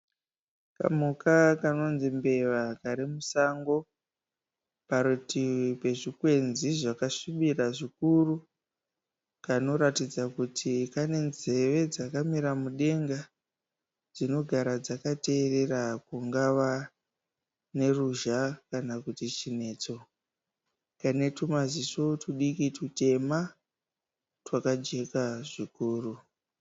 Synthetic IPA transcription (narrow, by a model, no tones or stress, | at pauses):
ka̰mukakano̞nzimbe̞ʋakaɾimusaŋɡo̞ | paɾutipe̞ʐikwe̞nziʐakaʂiɓiraʐikuru | kano̞ɾatid͡zakutʰikane̞nze̞ʋe̞d͡zakamiɾamuɗe̞ŋɡa | d͡zino̞ɡʱaɾad͡zakate̞ːre̞rakuŋɡaʋa | ne̞ruʒakanakutit͡ʃine̞ːt͡so̞ | kane̞tumazisotuɗikitute̞ma | twakad͡ʒe̞kaʐikuːru